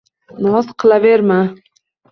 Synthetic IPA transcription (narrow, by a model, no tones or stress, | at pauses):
nɒzqʰɨlˠaveɾma